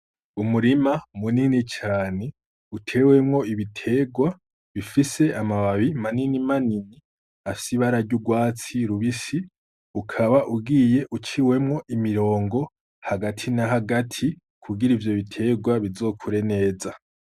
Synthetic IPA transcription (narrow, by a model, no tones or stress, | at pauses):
umuɾimamuninit͡ʃaːne̞ | utʰe̞we̞mŋo̞iβitʰe̞ɡwa | βifise̞amaβaβimaninimanini | afi̥siβaɾaɾɟuɡwaːt͡siɾuβisi | ukʰaβaʔuɡiːje̞ʔut͡ʃiwe̞mŋo̞ʔimiɾo̞ːŋɡo̞ | haɡatʰinaɦaɡatʰi | kʰuɡiɾivjo̞βitʰe̞ɡwaβizo̞ːkʰuɾe̞ne̞ːza